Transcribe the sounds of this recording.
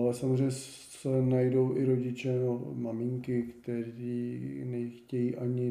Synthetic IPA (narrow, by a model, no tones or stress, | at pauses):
lɛsamozrejɲɛ | sɛnajdowʔɪɾo̞ɟɪt͡ʃɛmamɪŋkɪkt̪ɛɾiːnɛxcɛjiːʔaɲɪ